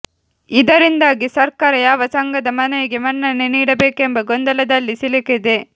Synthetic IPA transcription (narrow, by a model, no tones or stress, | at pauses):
id̪ɐɾind̪aːɡisɐɾkaːɾɐjaːʋɐsɐŋɡɐd̪ɐmɐnɐjɐɡemɐnːɐnːeniːɽɐbeːkembɐɡɔnd̪ɐlɐd̪ɐlːisiliked̪e